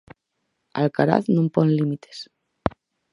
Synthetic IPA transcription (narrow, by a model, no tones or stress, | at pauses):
a̰lkaɾa̰θnũmponlimit̪ʰe̥s